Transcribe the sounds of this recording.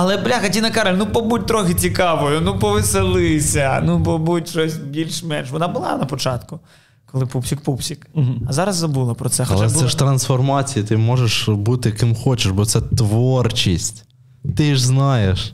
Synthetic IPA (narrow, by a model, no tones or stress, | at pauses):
ɐlˠɛblʲaxɐtʲinɐkɑɾelʲnupɔbut̚ʲt̪ɾɔxɪt͡sʲikɑʋɔjʊnupɔʋɪselˠɪsʲɐnupɔbutʲʃt͡ʃɔsʲbʲilʲʃmɛnʃʋɔnɑbʊlˠɑ̰nɐpɔt͡ʃɑt̪kʊ | kɔlˠɪpupsʲik̚pupsʲikɐzɑɾɐzːɐbulˠɐpɾɔt̪sɛxɐɔlt͡ʃˠaɛɛʃt̪ɾɐnsfɔrmɑt͡sʲijit̪ɪmɔʒeʃbut̪ɪjɐkɪmxɔt͡ʃɪʃbɔt̪sɛt̪ʋɔrt͡ʃisʲtʲ | t̪ɪʒznɑjeʃ